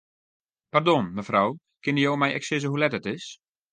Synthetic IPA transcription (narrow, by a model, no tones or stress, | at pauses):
pardɔnməfraw | kɪnəjowmɛjʔɛ̰ksɪzəɦulɛtətɪs